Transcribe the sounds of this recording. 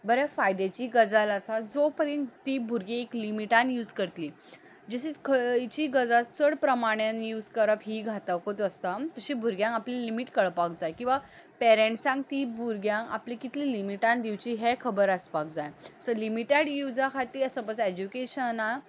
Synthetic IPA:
bəɾjafajd̪et͡ɕiːɡəd͡zalasad͡zopəɾjənt̪ibʱuɾɡeeklimiʈanjuːd͡zkəɾt̪li | d͡ʑeɕit͡skʰət͡ɕiːɡəd͡zat͡səɽpɾəmaɽ̃janjuːd͡zkəɾəpɦiːɡʱat̪əwkot̪əst̪at̪əɕibʱuɾɡjãŋaplilimiʈkəɭpakd͡zajkĩw̃ʋa | pɛɾẽɳʈsãŋɡt̪iːbʱuɾɡjãŋa̰plikit̪lilimiʈãnd̪iwt͡ɕiːɦekʰəbəɾəspak̚d͡zajsɔlimiʈeɽjud͡zakʰat̪iːɾəsə̃pət͡səed͡ʑukeɕəna

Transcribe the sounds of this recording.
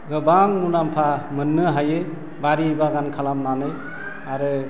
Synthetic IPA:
ɡɯbaŋmunampʰamɯnːɯɦaje | baɾibaɡankʰalamnanɯj | aɾɯ

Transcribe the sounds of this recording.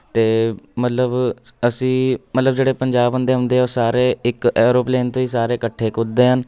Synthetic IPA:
t̪eːmət̪ləbəsĩːmət̪ləbd͡ʒeːɽeːpəɲd͡ʒaːbɦʊnd̪eːɦʊ̃nd̪eːoːsaːɾeːɪkɛːɾoːpleːnt̪õːiːsaːɾeːkəʈʰːeːkʊd̪eːɦən

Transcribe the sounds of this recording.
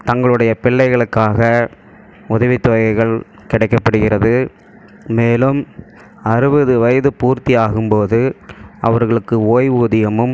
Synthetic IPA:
t̪ɐŋɡɐɭɯɽɐjɐpɪɭːɐɪɣɐɭɯkːaːɣɐ | ʊðɐʋɪt̪ːoːjɐɪɣɐɭkɪɽɐɪkːɐpːɐɽɯɣɪrɐðɯː | eːlɯm | ɐɾɯbɐðɯʋɐjɐðɯpuːɾt̪ijaːɣɯmpoːðɯɐ̰ʋɐɾɣɐɭɯkːɯoːjuːðɪjɐmɯm

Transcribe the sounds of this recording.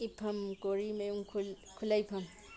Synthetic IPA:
ipʰamkoɾimejuŋkʰul | kʰulajpʰam

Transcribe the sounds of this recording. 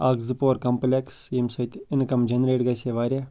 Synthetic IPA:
aːɡzɨpoːɾkɐmplekseːmsɐt̪ɪnkɐmd͡ʒenɾeːʈɡɐseʋaːɾʲe

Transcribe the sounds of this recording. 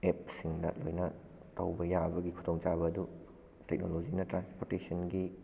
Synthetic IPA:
ep̚siŋdɐ̰lojnɐ | tɐwbɐjabɐɡikʰudoŋt͡ʃabɐːdu | tek̚nolod͡ʒinɐtɾanspoɾtesɐnɡi

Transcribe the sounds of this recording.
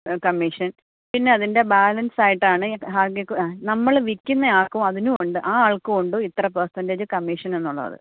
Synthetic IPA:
kɐmːiʂɐn | pinːe̞ɐðinde̞baːlɐnsaːjiʈːaːɳɨɦaːɡekːnɐmːɐɭʋikʲːunːɐaːkːɐmɐðinuoɳɖɨʔaːaːɭkɨoɳɖoit̪ːrɐp̬ɐrsɐnded͡ʑɨkɐmːiʂɐnenːuɭːɐ̰ɐ̰ðɨ̰

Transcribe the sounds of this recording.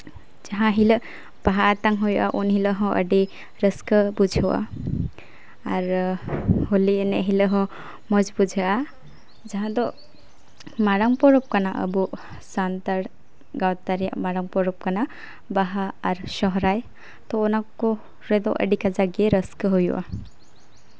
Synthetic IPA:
d͡ʒaɦãɦilə | b̥aɦaat̪aŋɦɔjʔa̰ʔunɦiləɦɔ̃ʔə̰ɖi | ɾəskəbud͡ʒʱəwa̰ | aɾ | holinɛɦiləɦɔ̃ | mɔd͡ʒbud͡ʒʱəa | d͡ʒaɦãd̪ɔ | maɾaŋpɔɾɔp̚kanaʔə̰bu | sant̪aɽ | ɡawt̪aɾija̰maɾaŋpɔɾɔp̚kana | baɦaːɾʃɔɦɾaj | t̪ɔːnakːɔ | ɾɛd̪ɔʔə̰ɖikad͡ʒaɡieɾəskəɦɔjṵʔa̰

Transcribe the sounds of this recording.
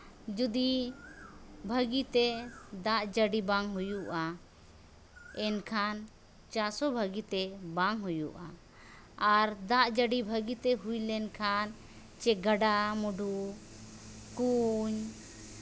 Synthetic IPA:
d͡ʒud̪i | bʱəɡit̪ɛd̪aʔd͡ʒəɖibaŋɦujuʔa | ɛnkʰan | t͡ʃaɾsɔbʱəɡit̪ɛbaŋɦujṵʔa̰ | aɾd̪aʔd͡ʒəɖibʱəɡit̪ɛɦujlɛnkʰan | t͡ʃɛɡaɖamuɖʱu | kuɲ

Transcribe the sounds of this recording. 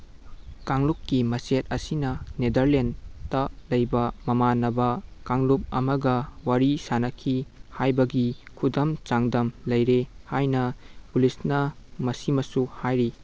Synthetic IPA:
kaŋlukːimɐset̚ɐsinɐnedɐɾlentɐlɐjbɐmɐmanːɐbɐkaŋlup̚ɐmɐɡɐwaɾisanɐkʰihajbɐɡikʰudɐmt͡ʃaŋdɐmlɐjɾehajnɐpulisnɐmɐsimɐsuhajɾi

